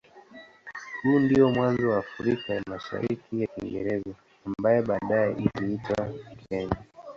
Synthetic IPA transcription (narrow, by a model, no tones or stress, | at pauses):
huːndiɔmwanzɔwaːfuɾikajamaʃa̰ɾikʰijaḭŋɡɛ̰ɾɛzɔ | ambajɛɓaːɗajɛʔiliitwakɛɲa